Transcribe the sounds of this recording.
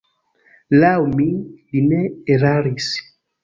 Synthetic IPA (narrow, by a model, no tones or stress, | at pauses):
lawmilinɛeɾaɾis